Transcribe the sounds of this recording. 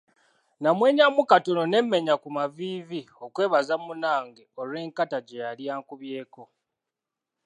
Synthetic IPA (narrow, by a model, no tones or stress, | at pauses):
namwe̞ːɲamukato̞no̞ne̞mːe̞ɲakumaviːvio̞kwe̞ːβazamunaːŋɡeo̞ɾwe̞ːŋkataɟejaljaːŋkuβje̞ːko̞